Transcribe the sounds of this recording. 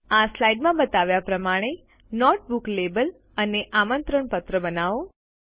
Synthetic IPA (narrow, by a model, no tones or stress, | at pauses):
aslaiɖmãbət̪aʋjapɾəmaɽ̃e | nɔʈ̚buklebəl | əneʔamənt̪ɾəɳpət̪ɾəbənaʋo